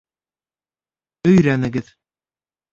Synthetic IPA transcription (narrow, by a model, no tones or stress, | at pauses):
ɵ̆jɾænɘ̆ɡɘð